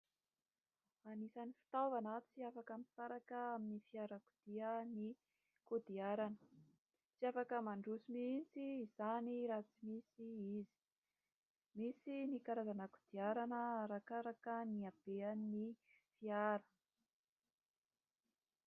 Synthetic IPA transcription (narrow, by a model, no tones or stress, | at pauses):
anisanifi̥t̪avanat͡siafakəmisaɾakəaminifiaɾakud̪̥iəni | kud̪iaɾanə̥ | t͡siafakəmaɳɖ͡ʐusimisiːzaniɾat͡simisiizi̥ | misinikaɾazanəkud̪̥iaɾanəɾakaɾakəniab̥eani | fiaɾə̥